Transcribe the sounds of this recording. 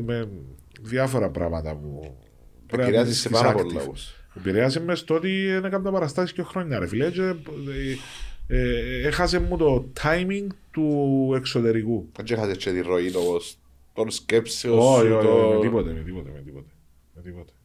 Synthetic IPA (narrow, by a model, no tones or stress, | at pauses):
me | ðjɐfoɾɐpɾɐ̰mɐt̪ɐ̰pu | peɾeɐsiseipasɾɐakpɾulɐ̰uepiɾeɐs̬emːest̪oot̪ienekɐmd̪ɐpɐɾɐst̪ɐsiskoxɾoɲːɐɾefiled͡ʒe | exɐsemːut̪ot̪ʰajmiŋɡt̪ueksot̪e̞ɾikuɐd͡ʒexɐset͡ʃːet̪iroilopos | t̪onskepseooiojoet̪ipot̪emet̪ipot̪ḛmet̪ipot̪e̥ | met̪ipot̪e̥